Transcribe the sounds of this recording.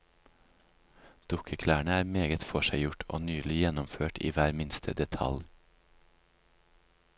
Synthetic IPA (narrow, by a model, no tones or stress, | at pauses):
d̪̥ʊkʰəkʰlæːɳəæːɾmeːɡət̪fɔʃæɪjʊʈʰo̰ːnyːlɪjɛnɔmføːʈʰḭːʋæːɾmɪnst̪ʰə̰d̪ɛt̪ʰɑ̰l